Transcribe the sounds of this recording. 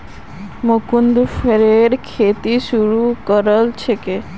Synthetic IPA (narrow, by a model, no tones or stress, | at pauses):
mokund̪feɾeɾkʰet̪iʃuɾukəɾəlt͡ʃʰeke